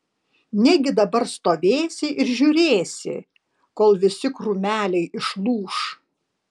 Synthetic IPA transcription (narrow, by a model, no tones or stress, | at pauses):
nʲɛɡʲɪd̪ɐbɐɾst̪oːʋʲeːsʲɪʔɪɾʒʲuːɾʲeːsʲɪ̰ | koːlˠʋʲɪsʲɪkɾʊmʲæːlʲɛɪʔɪʃlˠuːʃ